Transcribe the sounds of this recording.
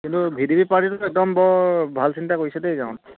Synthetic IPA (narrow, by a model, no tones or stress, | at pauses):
kintubʱidibipaɹʈitʊɛk̚d̪ɔmbɔbʱalsintakojsɛdejzaw̃t